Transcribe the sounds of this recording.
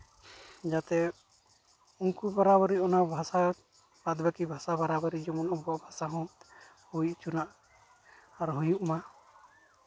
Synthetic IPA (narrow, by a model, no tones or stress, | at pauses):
d͡ʒat̪ɛ | uŋkubaɾabɔɾiɔnabʱasa | bad̪bakibʱasabaɾabaɾid͡ʒɔmɔnɔŋbɔʔbʱasaɦɔ̃ | hujʔt͡ʃunaʔ | aɾɦujuʔma